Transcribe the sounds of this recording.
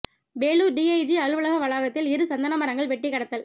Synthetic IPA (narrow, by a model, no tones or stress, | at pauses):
beːɭuːɖiːɐɪd͡ʒiɐɭɯʋɯɭɐɣɐʋɐɭaːɣɐt̪ːɪlɪɾɯsɐnd̪ɐnɐmɐɾɐŋɡɐɭʋɛʈːɪkːɐɽɐt̪ːɐl